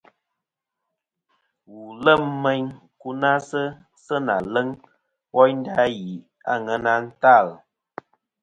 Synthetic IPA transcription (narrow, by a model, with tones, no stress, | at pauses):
wu˨lə˦˨mmə˦ɲ | ku˦na˦sə˦ | sə˦na˨lə˦ŋ | wɔ˦jn̩˦da˦ji˨ | a˦˨ŋə˨˦na˦n̩˦ta˦˨l